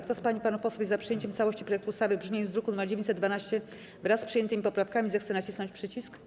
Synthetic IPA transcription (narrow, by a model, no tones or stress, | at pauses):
kt̪ɔspaɲipanufpɔswajɛzːapʂɨjeɲt͡ɕɛmst̪awɔɕt͡ɕi̥pɾɔjɛkt̪uːst̪avɘbʐmʲejɔ̃nzvɾukunumɛɾd͡ʑevʲeɲt͡ɕsɛd̪d̪vanaɕt͡ɕɛ | vɾasːpʂɨjɛnt̪ɘmʲipɔpɾafkamʲizɛxt̪sɛnat͡ɕisnɔ̃ɲt͡ɕpʂɘt͡ɕisk